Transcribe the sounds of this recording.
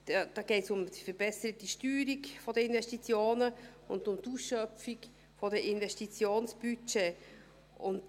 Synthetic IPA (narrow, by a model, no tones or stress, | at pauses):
d̥ɑːɡ̥eɪtsʊmd̥ifəɾb̥ɛsəɾətiʃtyːɾikfɔdəinvɛʃtit͡sjoːnəʊ̰ndʊmtusʃœfik | fɔdəʔɪnvɛʃtit͡sjoːnsb̥yt͡ʃe | ʊnt